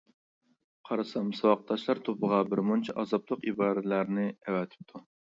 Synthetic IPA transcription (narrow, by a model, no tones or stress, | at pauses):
qʰɑɾɨsɑmsɑwɑq̚t̪ʰːɑʃlˠɑɾt̪ʰopʰəʁɑbɪɾmunt͡ʃʰɛʔɑzɑblˠəqibɑːɾɨt̪læɾnɪɛwɛt̪ʰɪ̥p̚t̪ʰu